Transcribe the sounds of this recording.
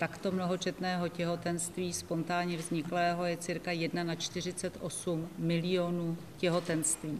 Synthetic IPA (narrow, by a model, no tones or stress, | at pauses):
t̪akt̪o̞mno̞ɦo̞t͡ʃɛt̪nɛːɦo̞cɛɦo̞t̪ɛnst̪viːspo̞nt̪aːɲɛvzɲɪklɛːɦo̞jɛt͡sɪɾkajɛdnanat͡ʃt̪ɪr̝ɪt͡sɛt̪ʔo̞summɪlɪjo̞nuː | cɛɦo̞t̪ɛnst̪viː